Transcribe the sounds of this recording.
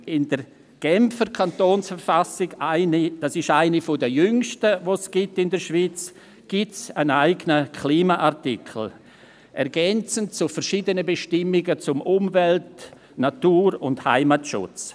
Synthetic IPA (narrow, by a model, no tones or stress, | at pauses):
ɪndər | ɡ̥ɛmfəɾkʰantoːnsfəɾfasɪɡaɪnid̥asɪʃaɪnifodəjʏŋʃtəʋosɡ̥itɪndəɾʃviːt͡s | ɡ̥itsənaɪɡənəkʰliːmaʔaɾtikʰl̩ | ʔɛɾɡɛnt͡səntt͡sufəɾʃiːdənəbeʃtɪmɪɡət͡sʊmʔʊmvɛlt | natuːɾʊndha̰ɪmatʃʊ̰t͡s